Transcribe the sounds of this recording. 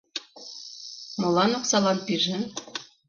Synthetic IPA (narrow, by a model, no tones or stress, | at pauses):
molɑnoksɑlɑnpiʒĕ